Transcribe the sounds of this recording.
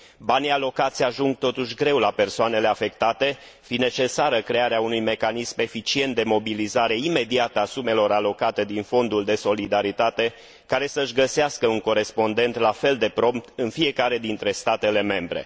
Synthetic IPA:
banialo̞kat̪sʲaʒuŋɡ̚t̪o̞t̪uʃʲɡɾe̞wlape̞rsoane̞le̞afe̞kt̪at̪e | fine̞t͡ʃe̞saɾəkɾe̞aɾeaunujme̞kanisme̞fit͡ʃient̪̚d̪e̞mo̞bilizaɾe̞ime̞d̪iat̪əasume̞lo̞ɾalo̞kat̪e̞d̪info̞nd̪uld̪e̞so̞lid̪aɾit̪at̪e̞ | kaɾe̞səɨʃɡəseaskəuŋko̞ɾe̞spo̞nd̪e̞nt̪lafe̞ld̪e̞pɾo̞mp̚t̪ɨnfie̞kaɾe̞d̪int̪ɾe̞st̪at̪e̞le̞me̞mbɾe̞̰

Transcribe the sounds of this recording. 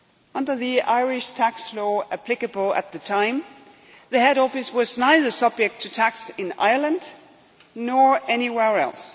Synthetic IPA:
ʔʌ̃ndə˞ðia̰ɪɹɪʃtʰækslɔʔɨpʰl̥ɪkɨbl̩ˠɨ̰t̪̚ðɨtʰãɪ̃m | ðɨhɛɾɔfɨswʌznaɪðə˞sʌb̚d͡ʒɨk̚tʰɨtʰæksɨ̃na̰ɪə˞lˠə̃nd | nɔɹɛniwɛɹɛ̰lˠs

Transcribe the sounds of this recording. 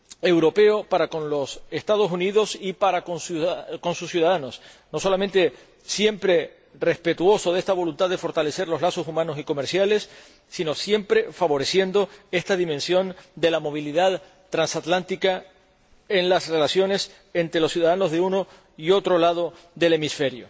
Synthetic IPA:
e̞wɾo̞pe̞o̞paɾakõ̞nlo̞se̞st̪aðo̞suniðo̞sipaɾakonsko̞nsusjuðaðano̞sno̞so̞lament̪e̞ | sje̞mpɾe̞ | re̞spe̞t̪uo̞so̞ðe̞st̪aβ̞o̞lunt̪aðefo̞ɾt̪ale̞se̞ɾlo̞zlaso̞sumãno̞siko̞meɾsjale̞sː | ino̞sje̞mpɾe̞faβo̞ɾe̞sje̞nd̪o̞e̞st̪aðimẽnsjo̞nd̪e̞lamo̞β̞iliðað | t̪ɾansat̪lant̪ika | e̞nlasre̞lasjo̞ne̞s | e̞nt̪ɾe̞lo̞sjuðaðano̞zðeuno̞ | io̞t̪ɾo̞lað̞o̞ | ðe̞le̞misfe̞ɾjo̞̰

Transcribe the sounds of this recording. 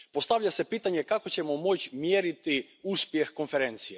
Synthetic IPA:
post̪aʋʎasepit̪aɲekakot͡ɕemomo̞t͡ɕmjeɾit̪i | uspjexkonfeɾent̪sije

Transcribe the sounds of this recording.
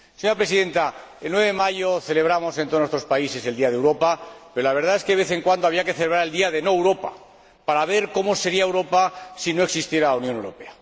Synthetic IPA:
seɲoɾapɾe̞siðe̞nt̪aelnwe̞βe̞emaʝoθe̞le̞βɾamo̞sent̪onwest̪ɾo̞spaise̞se̞ld̪iaðewɾo̞pape̞ɾo̞laβ̞e̞ɾð̞ae̞skeeβe̞θe̞ŋkwand̪oaβiakeθeleβɾaɾeld̪iaðe̞no̞ewɾo̞pa̰ | paɾaβ̞e̞ɾko̞mo̞se̞ɾiaewɾo̞pasino̞eksist̪je̞ɾaunjone̞wɾo̞pe̞a

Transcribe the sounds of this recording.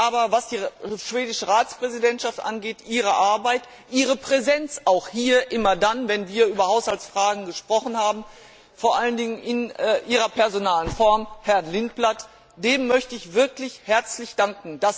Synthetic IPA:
ʔaːbɐvasd̥iːʃv̥eːdɪʃəʁaːt͡spʁ̥ɛzidɛntʃaftʔa̰nɡeːtʔiːʁ̞əʔaɐbaɪt | ʔiːʁ̞əpʁ̥ɛzɛnt͡saʊxhiːɐʔɪmɐdanvɛnviːɐʔyːbɐhaʊshalt͡sfʁ̥aːɡŋ̩ɡəʃpʁ̥ɔχn̩haːbm̩ | foːɐʔaləndɪŋənʔɪnːʔiːʁɐpɛɐzonaːlənfɔɐmhɛɐnlɪnt̚b̥lat | d̥eːmːœçtəɪçv̥ɪɐklɪçhɛɐt͡slɪçd̥aŋkŋ̩d̥as

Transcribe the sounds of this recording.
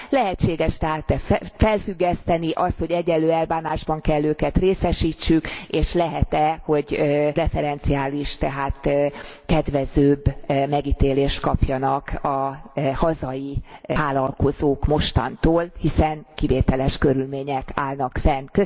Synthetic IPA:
lɛɦɛt͡ʃːeːɡɛʃt̪ɛɦaːt̪ɛfɛlfyɡːɛst̪ɛniʔɒst̪ho̞ɟɛɟːɛlːøːɛlbaːnaːʒbɒŋkɛlːøːkɛt̪reːsɛʃiːt͡ʃːykeːʃlɛɦɛt̪ɛho̞ɟrɛfɛɾɛnt̪siaːliʃt̪ɛɦaːt̪kɛd̪ʋɛzøːbmɛɡit̪eːleːʃt̪kɒpjɒnɒkɒhɒzɒjiaːlɒlko̞zoːkmo̞ʃt̪ɒ̰nt̪oːlhisɛnkiveːt̪ɛlɛʃkøɾylmeːɲɛkaːlnɒkfɛnkø

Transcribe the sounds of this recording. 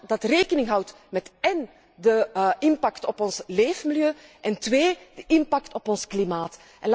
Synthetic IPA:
dɑtreːkənɪŋɦʌwt | mɛtɛn | dəɪmpɑktɔpɔnsleːvəmiljøːʔɛntβeːd̥əʔɪmpɑktɔpɔnsklimaːt | ʔɛnl

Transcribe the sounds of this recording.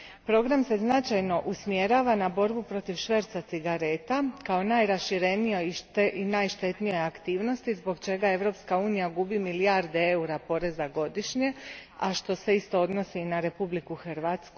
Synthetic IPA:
pɾo̞ɡɾamse̞znat͡ʃajno̞ʔusmje̞ɾaːʋanabo̞ɾbupɾo̞t̪iʋʃʋeɾt̪sat̪siɡaɾe̞t̪akao̞najɾaʃiɾe̞nijoiinaːjʃt̪e̞t̪nijo̞jakt̪iːʋno̞st̪izbo̞ɡt͡ʃe̞ɡae̞ʋɾo̞pskauːnijaɡubimiliaɾd̪eeuɾapo̞ɾe̞zaɡo̞d̪iʃɲe̞aʃt̪o̞se̞ist̪o̞o̞d̪no̞sinaɾe̞publikuxɾʋat̪sku

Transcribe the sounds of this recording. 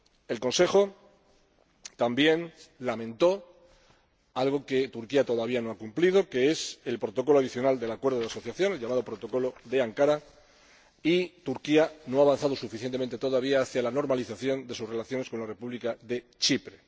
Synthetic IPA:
e̞lko̞nse̞xo̞ | t̪ambje̞nlamẽ̞nt̪o̞ | alɣ̞o̞ke̞t̪uɾkiat̪o̞ðaβiano̞akumplið̞o̞ke̞eselpɾo̞t̪o̞ko̞loaðiθjo̞nald̪e̞lakwe̞ɾðoðaso̞θjaθjo̞nelʎamað̞o̞pɾo̞t̪o̞ko̞lo̞ðe̞aŋkaɾa | it̪uɾkianoaːβanθaðo̞sufiθjent̪ee̞nt̪e̞t̪o̞ðaβ̞iaːθjalano̞ɾmaliθaθjo̞nd̪e̞susre̞laθjo̞neko̞nlare̞puβlikaðe̞t͡ʃipɾe̞

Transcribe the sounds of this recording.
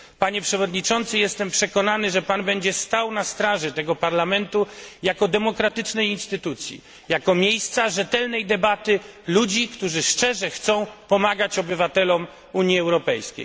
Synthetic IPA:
paɲɛpʂɛvɔd̪ɲit͡ʂɔnt̪sɘjɛst̪ɛmpʂɛkɔnanɘʐɛpanbɛɲd͡ʑɛst̪awnast̪ɾaʐɛt̪ɛɡɔpaɾlamɛnt̪ujakɔd̪ɛmɔkɾat̪ɘt͡ʂnɛjinst̪ɘt̪ut̪sʲjḭ | jakɔmʲjejst̪saʐɛt̪ɛlnɛjd̪ɛbat̪ɘlud͡ʑikt̪uʐɘʂt͡ʂɛʐɛxt̪sɔ̃w̃pɔmaɡat͡ɕɔbɘvat̪ɛlɔm | uɲjiɛwɾɔpɛjskʲḛj

